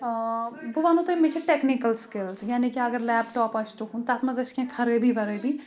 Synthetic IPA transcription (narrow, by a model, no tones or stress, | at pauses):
bʊʋaːnõt̪imet͡ʃʰeʈeːknikəlskɪlzjaːnikiɐɡəɾlɛːbʈɔːpɐt͡ʃt̪ukũnt̪aːt̪ʰmɐzɐt͡ʃkẽkʰɐɾebʱiʋɐɾebʱiː